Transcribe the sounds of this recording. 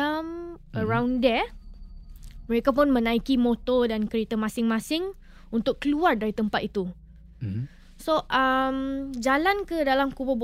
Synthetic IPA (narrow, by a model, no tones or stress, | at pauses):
əmʔəɹãwndɛ | məɾekap̬ʊnmə̃nãikimõt̪ɔdankəɾet̪amãsɪŋmãsɪŋ | unt̪ʊkːəluardaɾit̪əmpat̪̚it̪u | soʔamd͡ʒalankədalamkubəbo